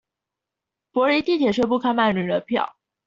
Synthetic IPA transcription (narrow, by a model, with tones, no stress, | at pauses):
pwɔ˧˥ɻe˧˥ɪt̪i˥˩t̪ʰjɛ˨˩ʂə˥˧p̬u˥˧kʰa˥nma˥˩nny˨˩lə˧˥pʰjɑ̰˥˩ʊ